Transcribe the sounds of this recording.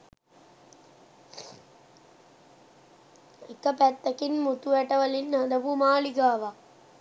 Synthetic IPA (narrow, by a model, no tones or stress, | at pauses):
ikəpæt̪ːɐkinmut̪uʋæʈɐʋəlinːad̪ɐpumaːliɡaːʋa